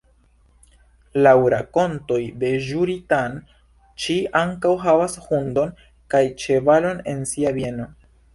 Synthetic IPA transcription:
lawɾako̞nto̞jde̞ʒuɾitan | t͡ʃiaŋkawɦavashundo̞n | kajt͡ʃe̞valo̞ne̞̰nsiavje̞no̞

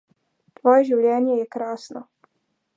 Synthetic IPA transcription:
t̪ʋojeʒiwʎjenjejekɾaːsno

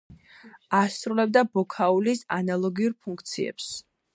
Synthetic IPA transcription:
asɾulɛbd̪abɔkʰaulisa̰nalˠɔɡiuɾpʰuŋkʰt̪sʰiɛ̰ps

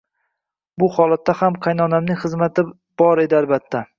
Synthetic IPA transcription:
bʊhɒlˠat̪ːahamqʰɑjnɒnamnɪŋχɨzmat̪ʰɪ | b̥ɒɾe̞d̪ɪalbat̪ʰːa

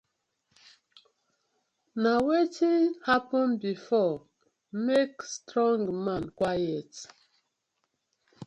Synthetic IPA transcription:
nawetihapə̃nbifɔ | mekstɾɔ̃ŋɡmãnkwajət

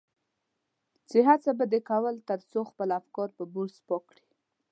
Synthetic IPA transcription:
t͡seɦat͡sabad̪ekawəlt̪əɾsoxpəlafkɔɾpəbuɾspɔkɽi

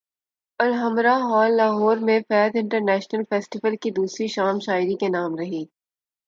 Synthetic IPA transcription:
ɐlɦɐmɾaɦɔːlːaːɦɔːɾmẽfɛːd̪ɪ̃ɳʈəɾnɛːʃnəlfɛːsʈɪʋəlkid̪uːsɾiʃaːmʃaːɪɾikenaːmɾɐɦiː

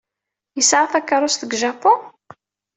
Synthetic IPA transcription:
jəsʕaθækːəɾˤʊst̪əɡʒapʊ

